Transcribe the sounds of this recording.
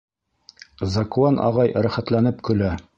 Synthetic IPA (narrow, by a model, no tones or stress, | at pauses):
zɑkuɑnʔɑ̰ʁɑjɾæχæt̪lænɘpkɵ̆læ